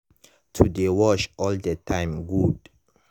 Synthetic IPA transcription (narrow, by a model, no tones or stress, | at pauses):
tʰudewɔʃɔldətʰãɪ̃mɡud